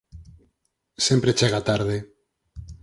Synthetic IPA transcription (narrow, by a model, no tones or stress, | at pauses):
sempɾet͡ʃeɣat̪aɾðe